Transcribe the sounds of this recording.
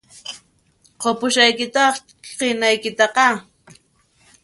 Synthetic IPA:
qopʊʃajkɪt̪ɑχ | qenajkɪt̪ɑqɑ

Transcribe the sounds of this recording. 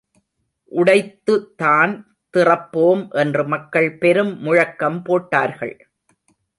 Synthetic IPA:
ʔʊɽɐɪt̪ːɯt̪aːn | t̪ɪrɐpːoːmʔɛndrɯmɐkːɐɭpɛɾɯmːʊɻɐkːɐmpoːʈːaːɾɣɐ̰ɭ

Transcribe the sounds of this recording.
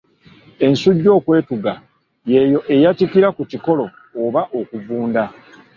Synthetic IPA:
e̞nsuɟːo̞ːkwe̞ːtuɡa | je̞jo̞ʔe̞jatikiɾakuciko̞lo̞ː | βaʔo̞kuvuːnda

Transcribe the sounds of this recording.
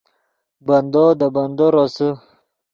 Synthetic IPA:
band̪od̪əband̪oɾosə

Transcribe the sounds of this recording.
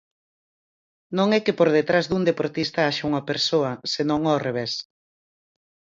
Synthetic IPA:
nõŋɛkɪpoɾðet̪ɾazðuŋd̪epoɾt̪ist̪ɐaʃauŋɐpeɾsoɐsenõŋɔreβ̞es

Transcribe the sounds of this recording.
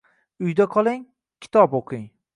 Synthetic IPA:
ʊjd̪aqʰɒlˠɪŋ | kʲʰɪ̥t̪ʰɒpoqʰɨŋ

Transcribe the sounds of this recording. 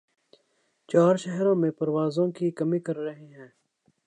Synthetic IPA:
t͡ʃaːɾʃɛɦɾõːmẽpɐɾwaːzõːkikɐmikɐɾːɐɦeɦɛ̃ː

